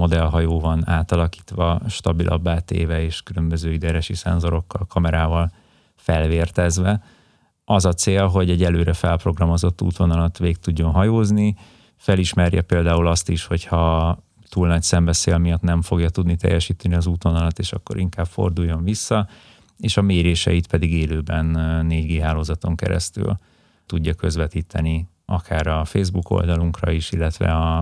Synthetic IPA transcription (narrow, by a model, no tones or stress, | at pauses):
mo̞d̪ɛlɦɒjoːvɒnaːt̪ɒlɒki̥ːt̪ʋɒʃt̪ɒbilʔɒ̰bːaːt̪ḛːvɛeːʃkylø̞mbøzøːid̪ɛɾɛʃisɛ̰nzo̞ɾo̞kːɒlkʰɒmɛɾaːvɒl | fɛlveːrt̪ɛzʋɛ | ɒzɒt̪seːlɦo̞ɟɛɟːɛløːɾɛfɛlpro̞ɡrɒmo̞zo̞t̪ːṵːt̪o̞nɒlɒt̪ʋeːk̚t̪uɟːo̞nɦɒjoːzni | fɛliʃmɛrjɒ̰peːld̪aːulɒst̪iʃho̞chɒ | t̪uːlnɒcsɛmbɛseːlmijɒt̪nɛɱfo̞ɡjɒt̪ud̪nit̪ɛ̰jːɛʃiːt̪ɛniɒzuːt̪o̞nɒlɒt̪ːeːʃɒkːo̞̰ɾiŋkaːb̥fo̞̰rd̪ujːoɱvisːɒ | eːʃɒmeːɾeːʃɛ̰it̪pɛd̪iɡeːløːbɛnːeːɟɡeːɦaːloːzɒt̪o̞ŋkɛ̰ɾɛ̰st̪y̰l | t̪uɟːɒkø̞zʋɛt̪iːt̪ɛni | ɒkʰaːɾɒfeːzbuko̞̰ld̪ɒluŋkrɒ̰iʃilːɛt̪ʋɛ̰ɒ